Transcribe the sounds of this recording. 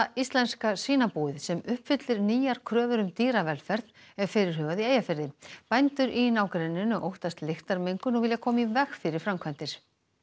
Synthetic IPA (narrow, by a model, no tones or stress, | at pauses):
ist̪lɛnskasiːnapuːɪðsɛmʏhpfʏt̪lɪɾniːjaɾ̥kʰɾœːvʏɾʏmt̪iːɾavɛlfɛɾ̥t̪n | ɛɾ̥fɪɾɪɾ̥hʏːvaðieːjafɪɾðɪpajnt̪ʏɾʔinaːwkɾɛnːɪnʏʔowht̪ast̪lɪxt̪aɾmejŋkʏnɔɣvɪljakʰɔːmivɛxfɪɾɪɾ̥fɾamkʰvant̪ɪɾ̥